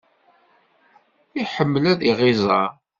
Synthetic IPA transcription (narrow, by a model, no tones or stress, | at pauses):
iħəmːəlæðiʁɪzˤɑ